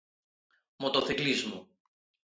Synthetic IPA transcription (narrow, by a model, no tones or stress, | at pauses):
mot̪oθiklizmu